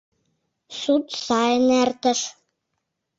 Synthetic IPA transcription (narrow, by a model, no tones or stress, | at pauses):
sut̪sɑjənært̪ə̆ʃ